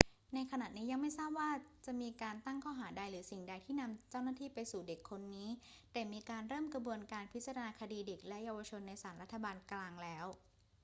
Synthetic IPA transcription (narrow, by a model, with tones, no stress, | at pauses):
na˧jkʰa˧na˨˩niː˦˥ja˧ŋma˥˩jsaː˥˩p̚waː˥˩t͡ɕa˨˩ʔmiː˧kaː˧nt̪a˥˩ŋkʰɔː˥˩ɦaː˩˦da˧jɾɯː˩˦si˨˩ŋda˧jt̪ʰiː˥˩na˧mt͡ɕaː˥˩wnaː˥˩t̪ʰiː˥˩pa˧jsuː˨˩de˨˩kʰːo˧nːiː˦˥ | t̪ɛː˨˩miː˧kaː˧nɾɤː˥˩mkɾa˧bu˧ənkaː˧npʰi˦˥t̪̚t͡ɕa˧ɾa˧naː˧kʰa˧diː˧de˨˩k̚lɛ˦˥ʔjaː˧wa˧t͡ɕʰo˧nːa˧jsaː˩˦nɾa˦˥t̪ʰːa˧baː˧nklaː˧ŋlɛː˦˥w